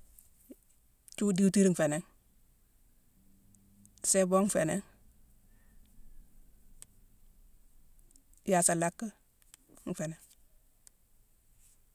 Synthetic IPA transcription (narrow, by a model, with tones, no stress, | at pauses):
t͡ʃu˦di˦uti˦ɾŋ̩˨fe˨ne˨ŋ | se˦bo˦ŋ̩˦fe˨neŋ | ja˨sa˨la˦kːə˦ | ŋ̩˨fe˨ne˨ŋ